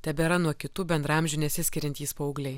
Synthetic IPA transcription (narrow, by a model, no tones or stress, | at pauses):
t̪ʲɛbʲɛɾɐnuɔkʲɪt̪uːbʲɛnd̪ɾɐmʲʒʲuːnʲɛsʲɪsʲkʲɪɾʲɛnt̪ʲiːspoɔʊɡlʲɛɪ